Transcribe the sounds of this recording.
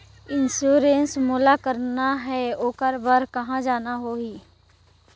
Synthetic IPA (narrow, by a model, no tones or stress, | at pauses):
ɪnsuːɾeːnsmuːlakəɾnaɦɛoːkəɾbəɾkɐɦãd͡ʒaːnaɦoːɦiː